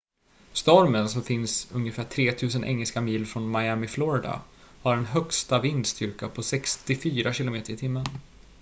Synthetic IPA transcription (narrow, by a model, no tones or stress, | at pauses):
st̪ɔɾmənsɔmfɪnsɵŋjəfæːʈʰɾeːt̪ʰʉ̟ːs̬ənʔɛ̰ŋːɛlskamiːlfɾɔnmajæmɪflɔɾɪd̪a̰haɖɛnɦœkst̪avɪnd̪st̪ʏɾkapʰɔsɛkst̪ɪfyːɾaɕɪlʊmeːt̪əɾɪt̪ʰɪmːən